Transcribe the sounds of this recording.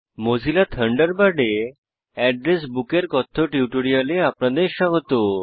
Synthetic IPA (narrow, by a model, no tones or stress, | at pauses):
mod͡ʑʱilat̪ʰəɳɖəɾbaɖe | ɛɖɾesbukeɾkɔt̪ʰːoʈiuʈoɽialeapnad̪eɾʃɔɡot̪o